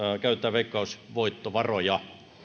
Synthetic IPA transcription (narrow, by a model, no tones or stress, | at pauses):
kæˑyt̪ːˑæːʋeˑikːˑɑusʋoit̪ːoʋɑrojɑ